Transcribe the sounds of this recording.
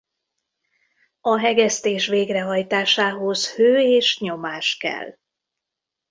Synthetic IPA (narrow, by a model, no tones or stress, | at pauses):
ɒɦɛɡɛst̪eːʃʋeːɡrɛɦɒjt̪aːʃaːɦo̞zhøːeːʃɲo̞maːʃkɛ̰l